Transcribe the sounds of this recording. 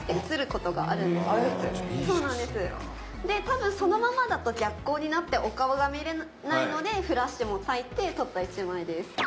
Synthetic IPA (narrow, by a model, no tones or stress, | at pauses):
esɨɾɯ̟ko̞t̪o̞ɡa̰ʔa̰ɾɯ̟̃nd̪esɨso̞ːnãnd̪e̞sɨ | d̪e̞t̪abɯ̟̃ɰ̃so̞no̞mamad̪at̪o̞ɡʲakːo̞ːɲ̟inat̪ːe̞ʔo̞kaɯɡamiɾen | naino̞d̪e̞ɸɯ̟ɾaɕi̥t̪emo̞sait̪ːe̞t̪o̞t̪ːait͡ɕimaid̪e̞sɨ̥